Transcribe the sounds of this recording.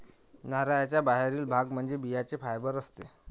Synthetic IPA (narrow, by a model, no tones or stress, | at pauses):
naɾajat͡ɕjabaɦeɾiːlbʱaɡm̤əɳd͡zebijat͡sefajbəɾəst̪e